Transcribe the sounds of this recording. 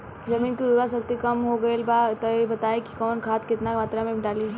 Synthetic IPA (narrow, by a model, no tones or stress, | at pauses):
zɐmiːnkiɾuɾasɐk̚t̪ikɐmɦoɡɐelbat̪ɔebɐt̪aeki̥kɔːnkʰaːt̪kɪt̪namaːt̪ɾamẽɖaːli